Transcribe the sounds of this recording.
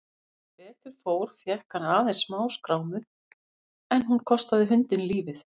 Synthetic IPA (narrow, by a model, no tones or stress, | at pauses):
pɛːt̪ʏɾ̥foːwɾ̥fjɛhkaɾaːðensmaːwskɾaːwmʏ | ɛnhunkʰɔst̪aðɪɦʏnt̪ɪnliːvɪθ